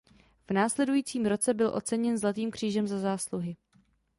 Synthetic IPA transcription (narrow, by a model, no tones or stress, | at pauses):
v̥naːslɛdujiːt͡siːmɾo̞t͡sɛbɪlʔo̞̰t͡sɛɲɛnzlat̪iːmkr̝̥iːʒɛmzazaːsluɦɪ